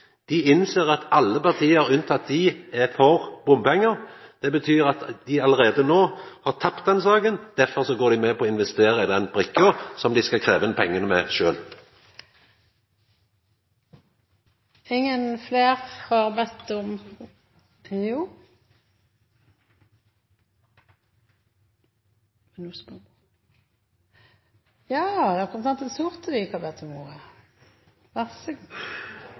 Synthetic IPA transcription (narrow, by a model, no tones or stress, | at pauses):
d̪̥ɪɪnseːʁɑt̪ɑlːəpɑʁt̪ʰiːəəʁʉnt̪ʰɑt̪̚d̪ɪɛfɔʁbʊmpɛŋːəʁd̪̥ɛbət̪ʰyːʁɑt̪d̪̥ɪɑləʁeːd̪ənoːhɑːʁt̪ʰɑpt̪̚d̪ɛnsɑːɡənd̪̥æʁfɔʁsɔɡoːɾd̪ɪmɛpɔːɪnʋɛst̪eːʁəɪd̪ɛnbʁɪkːosɔmd̪ɪskɑkʰɾeːʋənəpʰɛŋːənəmɛʃø̰ːl | ɪŋːənfleːʁhɑʁbɛt̪ːɔm | juː | ɛnusmə | jɑːd̪ɛækɔnst̪ɑnt̪ɛsuʁt̪əd̪ɪɪkːhɑbɛt̪ʰːɔmuə | ʋæʁsəɡ